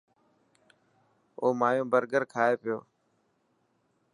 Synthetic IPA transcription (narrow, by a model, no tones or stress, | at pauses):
oːmaːjõːbəɾɡəɾkʰaːeːpɪjo̰ː